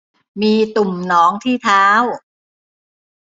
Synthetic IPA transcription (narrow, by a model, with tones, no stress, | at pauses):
miː˧t̪u˨˩mnɔː˩˦˥ŋt̪ʰiː˥˩t̪ʰaː˦˥w